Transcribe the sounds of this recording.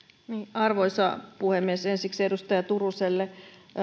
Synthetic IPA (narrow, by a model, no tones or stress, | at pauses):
niːɑrʋoisɑ̰puhemːiesensiksedust̪ɑjɑt̪uruselːe